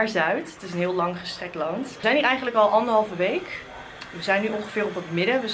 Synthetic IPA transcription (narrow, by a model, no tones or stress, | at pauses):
ɹzœɥtətɪs̬ənɦɪːlˠlɑŋχəstrɛk̚tlɑntzɛjnɦiːɹɛjχənləkɑlˠʔɑndəɹɦɑlˠvəʋejk | ʋəzɛjnːyʔɔŋχəvɪːrɔpətmɪdəʋə